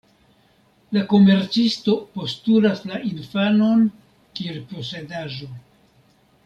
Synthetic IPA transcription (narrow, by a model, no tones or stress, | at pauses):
lako̞me̞ɾt͡sisto̞po̞stulaslaʔinfano̞n | kielpo̞se̞daʒo̞